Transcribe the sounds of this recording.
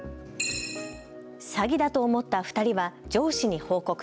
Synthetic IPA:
saɡʲid̪at̪o̞ːmo̞t̪ːaɸɯ̥t̪aɾʲiβad͡ʑo̞ːɕiɲ̟iho̞ːko̞k

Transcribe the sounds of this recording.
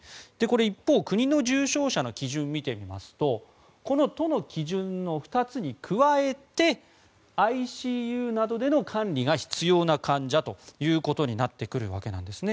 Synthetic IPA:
d̪̥e̞ko̞ɾe̞ipːo̞ːkɯ̟ɲ̟ino̞ʑɨːɕo̞ːɕano̞kʲiʑɨ̃mːʲit̪e̞mʲima̰sɨ̥t̪o̞ | ko̞no̞t̪o̞no̞kʲiʑɨ̃nːo̞ɸɯ̟̥t̪at͡sɨɲ̟ikʰɯ̟βae̞tt̪e̞ | aiɕiːjɯ̟ːnad̪o̞d̪e̞no̞kʰãnɾʲiɡaçi̥t͡sɨjo̞ːnakʰãɲ̟d͡ʑat̪o̞jɯ̟ːko̞t̪o̞ɲ̟inat̪ːe̞kɯ̟ɾɯ̟̰βa̰ke̞nã̰nd̪e̞sɨne̞

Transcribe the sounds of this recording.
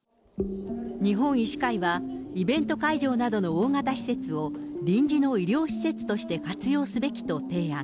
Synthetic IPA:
ɲ̟iɦõ̞ɰ̃iɕi̥kaiβaibẽ̞nt̪o̞kaiʑo̞ːnad̪o̞no̞ːŋat̪aɕi̥se̞t͡sɨo̞ | ɾʲĩɲ̟d͡ʑino̞iɾʲo̞ːɕi̥se̞t͡sɨ̥t̪o̞ɕi̥t̪e̞kat͡sɨjo̞ːsɨbe̞kʲi̥t̪o̞t̪e̞ːã

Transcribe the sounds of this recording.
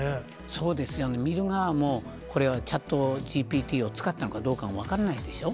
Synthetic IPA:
so̞ːd̪e̞sɨjo̞ne̞mʲiɾɯ̟ŋamo̞ː | ko̞ɾe̞βat͡ɕãt̪ːo̞ʑiːpʲiːt̪ʲiːo̞t͡sɨ̥kat̪ːano̞kad̪o̞ːkamoβ̞akaɾanaid̪e̞ɕo̞

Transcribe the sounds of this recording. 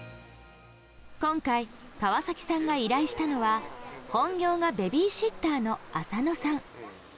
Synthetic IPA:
kõ̞ŋkaikaβasakʲi̥sãŋɡaiɾaiɕi̥t̪ano̞βahõ̞ŋɡʲo̞ːŋabe̞bʲiːɕit̪ːaːno̞asano̞sãŋ

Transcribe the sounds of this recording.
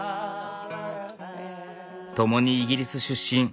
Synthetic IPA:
t̪o̞mo̞ɲ̟iːɡʲiɾʲisɨɕɨɕːĩn

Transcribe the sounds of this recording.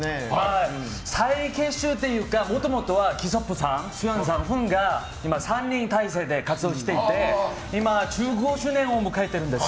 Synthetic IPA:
a | sʰaikʰe̞ɕɯt̪ːe̞jɯkamot̪omot̪oβakʲis̬op͈ːɯsãŋɕujans̬ãŋɸɯŋɡa | imasʰaɲːĩnt̪ais̬e̞d̪e̞kat͡sɨoɕi̥t̪e̞itt̪ːe̞ | imat͡ɕɯɡoɕɯnẽ̞ɰomɯkʰait̪ːe̞ɾɯnd̪e̞s

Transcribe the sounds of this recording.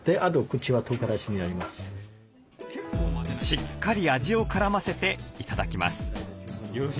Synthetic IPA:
d̪̥eʔad̪okɯ̟t͡ɕiβat̪oːkaɾaɕiɲ̟iaɾʲimasɨ̥ | ɕikːaɾʲiaʑio̞kaɾamase̞t̪e̞it̪ad̪akʲima̰sɨ̥

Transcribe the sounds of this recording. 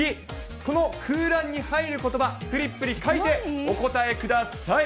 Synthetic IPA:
i | ko̞no̞kɯːɾãɲ̟ːihaiɾɯ̟ko̞t̪o̞bakɯ̟ɾʲipːɯ̟ɾʲikait̪e̞o̞ko̞t̪ae̞kɯd̪asai

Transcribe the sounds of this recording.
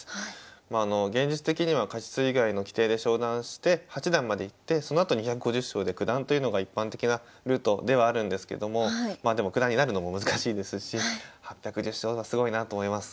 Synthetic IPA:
maːno̞ɡẽ̞ɲ̟d͡ʑit͡sɨ̥t̪e̞kʲiɲ̟iβakat͡ɕi̥t͡sɨiɡaino̞kʲi̥t̪e̞ːd̪e̞ɕo̞ːd̪ãɰ̃ɕi̥t̪e̞hat͡ɕid̪ãmːad̪e̞it̪ːe̞so̞no̞at̪oɲ̟içakɯ̟ɡo̞ʑɨɕːo̞ːd̪e̞kɯ̟d̪ãnt̪ojɯ̟no̞ɡaipːãnt̪e̞kʲina | ɾɯ̟ːt̪o̞d̪e̞β̞aːɾɯ̟̃nd̪e̞sɨ̥kḛd̪o̞mo̞maːd̪e̞mo̞kɯ̟d̪ãɲ̟ːinaɾɯ̟no̞mo̞mɯzɨkaɕiːd̪e̞sɨɕihapʲjakɯ̟ʑɨɕo̞ːβasɨɡo̞inat̪o̞ːmo̞imasɨ̥

